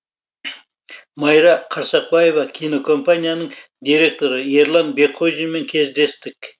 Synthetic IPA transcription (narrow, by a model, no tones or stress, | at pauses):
mɑjɾɑqʰɑɾsɑq̚bɑje̞vɑkʲʰino̞kʰo̞mpanʲijanəɴ | d̪ijɾʲe̞k̚t̪o̞ɾəje̞ɾlˠɑnbe̞kʰːo̞ʒime̞ŋkʲʰe̞zd̪e̞st̪ɪk